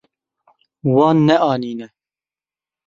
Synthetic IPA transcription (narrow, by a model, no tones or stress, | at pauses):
wɑːnːɛʔɑːniːnɛ